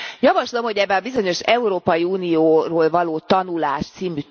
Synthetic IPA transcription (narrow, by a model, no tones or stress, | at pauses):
jɒvɒʃlo̞mho̞ɟɛbːɛlɒbizo̞ɲo̞ʃɛuɾoːpɒjiuːnijoːroːlvɒloːt̪ɒnulaːʃt̪siːmy